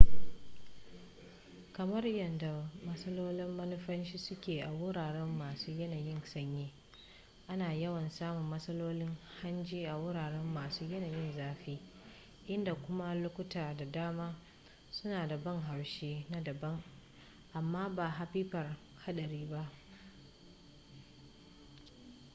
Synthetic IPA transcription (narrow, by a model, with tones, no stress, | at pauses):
kɐ˨mɐ˦rjɐ˨nda˨mɐ˦sɐ˦loː˦lɪ˦mːɐ˦nʊ˦ɸɐ˦nʃiː˦sʊ˦kʲeː˨ʔa˨wʊ˦ɽaː˨ɽɛ˦mːaː˨suː˦jɐ˦naː˨jɪ˦ŋsɐ˦ɲjeː˦ | ʔa˦naː˨jɐ˦wɐ˨nsaː˦mʊ˨mːɐ˦sɐ˦loː˦lɪ˦ŋha˦nd͡ʒiː˦ʔa˨wʊ˦ɽaː˨ɽɛ˦mːaː˨suː˦jɐ˦naː˨jɪ˦nzaː˦ɸiː˦ | ʔɪ˦nda˨kʷʊ˦ma˦lʊ˦kʷʊ˦taː˨da˨daː˦maː˦ | sʊ˦naː˨da˨bɐ˦ŋɦa˨wʃeː˦na˦dɐ˨bɐ˦ŋ | ʔa˨mːaː˦baː˨ɦa˦ɸiː˦ɸɐ˨r | ha˦ɗɐ˨ɾiː˦ba˦ʔ